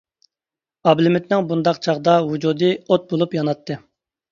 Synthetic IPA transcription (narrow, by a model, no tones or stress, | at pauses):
ɑblɪmɪt̪nɪŋbund̪ɑqt͡ʃʰɑʁd̪ɑwud͡ʒuːd̪ɨot̪̚bolˠupjɑnɑt̪ʰːɨ